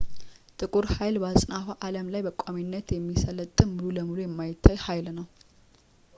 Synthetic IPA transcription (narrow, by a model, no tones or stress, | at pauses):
t̪ʼɨkʼuɾhajlbasʼnafaʔaləmlajbəkʷʼaminːət̪jɛmːisələt̪ʼːɨmmɨluləmulujɛmːajɪt̪ʰːajhajlnəw